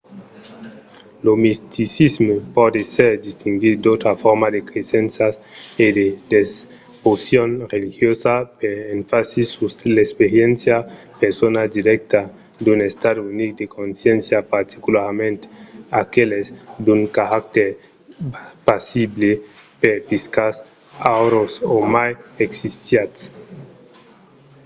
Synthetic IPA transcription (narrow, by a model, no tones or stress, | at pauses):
lomist̪isizmopɔd̪eseɾd̪ist̪iŋɡit̪d̪ot̪ɾafoɾmad̪ekɾesensased̪ed̪es | posjonrelixjosapeɾeɱfasisuslespeɾjensja | peɾsonad̪iɾɛk̚t̪a | d̪unest̪ad̪unik̚d̪ekonsjensjapaɾt̪i̥kulaɾmẽnt̪akelezd̪uŋkaɾak̚t̪eɾ | pasible | peɾpiskas | awɾosomajeksist̪jat̪s